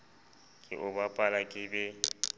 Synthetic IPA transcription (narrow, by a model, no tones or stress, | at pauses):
kʼɪ̰ʔʊbapʼalakʼɪbɛ